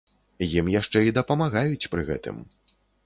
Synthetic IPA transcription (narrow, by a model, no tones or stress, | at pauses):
jimjaʂt͡ʂɛid̪ɐpɐmaɣajut͡sʲpɾɨɣɛ̰t̪ɨ̰m